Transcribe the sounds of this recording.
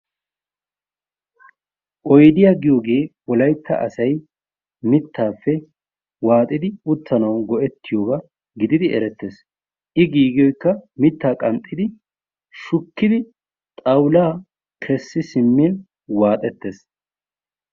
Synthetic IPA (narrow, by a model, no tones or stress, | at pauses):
ʔɔjd̪ɪjaːɡɪjo̞ːɡe̞ːwɔlɐjt̪ːɐ̰ʔɐsɐj | mɪt̪ːaːfːɛ | waːt̪ʼːɪd̪ɪʊt̪ːɐnɐwɡɔʔɛt̪ːɪjoːɡɐ | ɡɪd̪ɪd̪ɪʔɛ̰ɾɛt̪ːe̞ːs | ʔɪɡiːɡɪjɔjkːɐmɪt̪ːaːkʼɐmt̪ʼːɪd̪ɪ | ʃʊkːɪd̪ɪ | t̪ʼɐwlaː | kʰɛsːɪsɪmːin | waːt̪ʼɛt̪ːeːs